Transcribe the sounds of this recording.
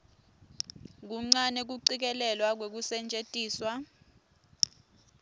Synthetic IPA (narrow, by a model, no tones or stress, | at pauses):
k̬uŋ͡ǀanek̬uǀik̬ɛlɛlwak̬wek̬usɛnd͡ʒʱʼetʼiːswa